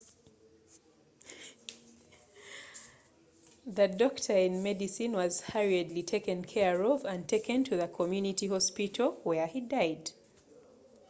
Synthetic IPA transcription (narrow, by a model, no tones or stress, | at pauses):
ðɨdɔktʰə˞ɪ̃nmɛdɨsɨ̃nwʌz̥haɹədˡlitʰeɪkɨ̃nkʰɛɹɔvɨ̃ntʰeɪkɨ̃ntʰɨðəkʰɔmjʉnɪtihɔspitʰl̩ˠwɛ˞idaɪd̥